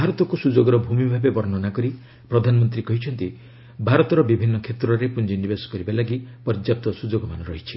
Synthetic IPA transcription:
bʱaɾɔt̪ɔkusud͡ʒoɡɔɾɔbʱumibʱabebɔɾnɔnakɔɾi | pɾɔd̪ʱanɔmɔnt̪ɾikɔɦit͡ʃʰɔnt̪i | bʱaɾɔt̪ɔɾɔbibʱinːɔkʰet̪ɾɔɾepund͡ʒinibesɔ̥kɔɾibalaɡipɔɾd͡ʒap̚t̪ɔsud͡ʒoɡɔmanɔɾɔɦit͡ʃʰi̥

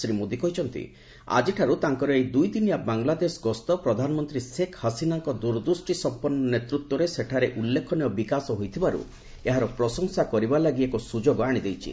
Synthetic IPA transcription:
sɾimod̪ikɔjt͡ʃʰɔnt̪ḭ | a̰d͡ʒeʈʰaɾut̪aŋkɔɾɔejd̪ujt̪inijabaŋlad̪esɔɡɔst̪ɔpɾɔd̪ʱanɔmɔnt̪ɾisekʰhasinaŋkɔd̪uɾɔd̪usʈisɔmpɔnːɔnet̪ɾut̪wɔɾeseʈʰaɾeʔulːekʰɔneɔbikasɔɦojt̪ʰibaɾṵ | eɦaɾɔpɾɔsɔŋsakɔɾibalaɡiekɔsud͡ʒoɡɔaɽ̃id̪ejt͡ʃʰḭ

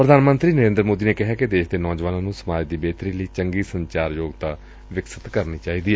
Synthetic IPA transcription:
pɾəd̪ʱaːnmənt̪ɾiːnəɾẽːnd̪ɾəmoːd̪iːneːkɪɦaːkɪd̪eːʃd̪eːnɔːd͡ʒʋaːnãːnũːsəmaːd͡ʒd̪iːbeːt̪ɾiːləiːt͡ʃəŋɡiːsəɲt͡ʃaːɾjoːɡt̪aː | ʋɪksə̥t̪kəɾniːt͡ʃaːiːd̪iːɛː

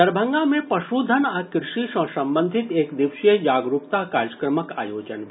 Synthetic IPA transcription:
əɾbʱə̃ŋɡamẽpɐʃud̪ʱənakɾɪʃiʃə̃sɐ̃mbə̃nd̪ʱɪt̪eːkd̪iʋʃəjaːɡɾupt̪akaːɾjəkɾəməka̰ːjoːd͡ʒən

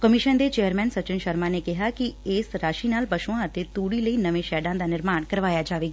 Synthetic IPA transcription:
kəmɪʃənd̪eːt͡ʃeːəɾmɛːnsət͡ʃɪnʃəɾmaːneːkɪɦaːkɪɪsɾaːʃiːnaːlbəʃuãːət̪eːt̪uːɽiːləiːnəʋẽːʃɛːɖãːd̪aːnɪɾmaːɳkəɾʋaːjaːd͡ʒaːʋeːɡaː

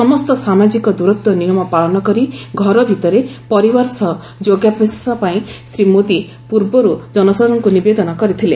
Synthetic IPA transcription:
sɔmɔst̪ɔsamad͡ʒikɔd̪uɾɔt̪wɔnijɔmɔpaɭɔnɔkɔɾiɡʱɔɾɔbʱit̪ɔɾepɔɾibɔɾsɔ | d͡ʒoɡjapessɔpaĩsɾimod̪i | puɾbɔɾud͡ʒɔnɔsaɔŋkunibed̪ɔnɔkɔɾit̪ʰilḛ

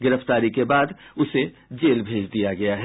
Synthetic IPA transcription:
ɡɪɾəpʰt̪aːɾikebaːd̪ʊse | d͡ʒeːlbʱeːd͡ʒd̪ijaɡɐjaɦɛ

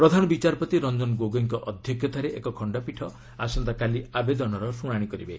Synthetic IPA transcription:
pɾɔd̪ʱanɔbit͡ʃaɾpɔt̪iɾɔnd͡ʒɔnɡoɡɔjŋkɔʔɔd̪ʱjɔkjɔt̪ʰaɾeʔekɔkʰɔɳɖapiʈʰɔ | asɔnt̪akaliabed̪ɔnɔɾɔsuɽ̃aɽ̃ikɔɾibe

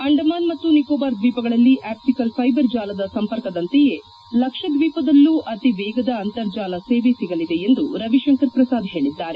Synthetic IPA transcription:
ɐɳɖɐmaːnmɐt̪ːunikoːbaːɾd̪ʋiːpɐɡɐɭɐlːiʔɛːpsikɐlpʰɐjbɐɾd͡ʒaːlɐd̪ɐsɐmpɐɾkɐd̪ɐnt̪eje̞ | lɐkʂɐd̪ʋiːpɐd̪ɐlːuʔɐt̪iʋɛːɡɐd̪ɐːnt̪ɐɾd͡ʒaːlɐseːʋesiɡɐlid̪e̞end̪uɾɐʋiʃɐŋkɐɾpɾɐsaːd̪ɦe̞ːɭid̪ːaːɾe

